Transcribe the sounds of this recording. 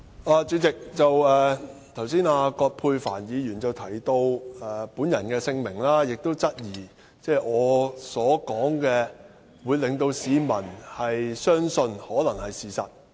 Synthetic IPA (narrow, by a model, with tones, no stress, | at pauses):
aː˧t͡sy˨˥t͡sɪ˨k̚t͡sɐ˨wɛː˨t̪ʰɐ˨˩wsiː˥naː˧kɔː˧t̚pʰuː˧jfa̰ː˨˩njiː˨˧jyː˨˩nt͡sɐ˨wt̪ʰɐ˨˩jt̪o˧wɛ˨˩puː˨˥njɐ˨˩nkɛː˧sɪ˧ŋmɪ˨˩ŋlaː˥jɪ˨k̚t̪o˥wt͡sɐ˥t̚jiː˨˩ | t͡sɛː˥˩ʔɔː˨˧sɔː˨˥kɔː˨˥ŋkɛː˧ | wuː˨˧jlɪ˨ŋt̪o˧wsiː˨˧mɐ˨˩nhɐ˨jsœː˥ŋsɵ˧nhɔː˨˥lɐ˨˩ŋhɐ˨jsiː˨sɐ̰˨t̚